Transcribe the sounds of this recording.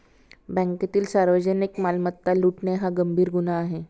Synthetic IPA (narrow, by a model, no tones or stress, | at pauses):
bɛ̃ŋkat̪iːlsaɾʋəd͡ʑənikmalmət̪ːaluʈneɦaɡəmbʱiːɾɡunaːɦe